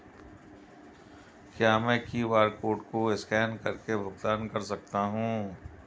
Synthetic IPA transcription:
kjaːmɛ̃ːkiːʋaːɾkoːʈkoɪskɛːnkɐɾkebʱʊɡt̪aːnkɐɾsɐk̚t̪aɦũː

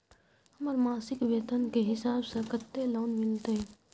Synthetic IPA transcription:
hɐmɾmaːsɪkʋət̪ənkeɦɪsaːbsekət̪ːelɔːnmɪlt̪eɦɛ̃ː

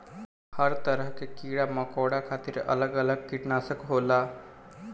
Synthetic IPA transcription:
həɾt̪əɾəɦkekiːɽamɐkoːɽakʰaːt̪ɪɾɐ̰ləɡələɡ̚kɪʈnaːsəkɦoːlaː

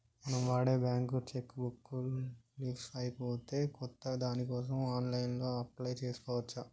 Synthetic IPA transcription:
mɐnɐmʋaːɽeːbjaːŋkut͡ʃekːbukːulliːksɐjipoːt̪e̞ːkɔt̪ːɐd̪aːnikɔːs̬ɐmaːnlɐjnlo̞ːɐplɐjt͡ʃe̞ːsu̥kɔːʋɐt͡ʃːa

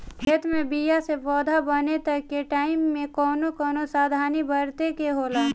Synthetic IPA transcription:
kʰeːt̪mẽbijasebɔːd̪ʱabənet̪ɐːeʈaːɪmːẽkɔːnokɔːnosaːd̪ʱaːnibəɾt̪ekeɦoːlaː

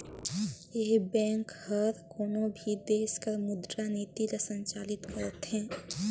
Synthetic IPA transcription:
jeːbɛ̃ːŋkhəɾkoːnõbʱid̪eːskəɾmʊd̪ɾaniːt̪iɾəsə̃ɲt͡ʃaːlɪt̪kəɾət̪ɦɛ̃ː

